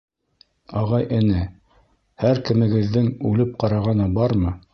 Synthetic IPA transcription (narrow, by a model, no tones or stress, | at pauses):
ɑʁɑjʔɘ̆nɘ | hæɾkɘ̆mɘ̆ɡɘ̆ðːɘŋʉlɘp̚qɑɾɑʁɑnɑbɑɾmɤ